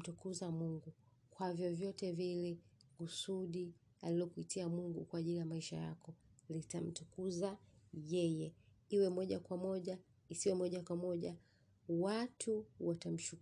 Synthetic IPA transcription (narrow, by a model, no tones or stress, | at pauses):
tukuzamuŋɡu | kwavjɔvjɔtɛvilɛkusuɗi | alilɔkuitiamuŋɡukwaːʄilijamaiʃa̰ja̰kɔlitam̩tukuzajɛjɛ | iwɛmɔʄakwamɔʄa | isiwɛmɔʄakwamɔʄa | watʰuwatam̩ʃu